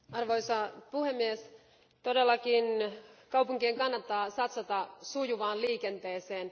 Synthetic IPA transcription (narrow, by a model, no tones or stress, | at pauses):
ɑrʋojsɑpuhe̞mːies | t̪o̞delːɑk̟inkɑwpuŋkiːŋkɑnːɑt̪ːɑːsɑt̪sɑt̪ɑsujuʋɑːnliːke̞nt̪e̞ːseːn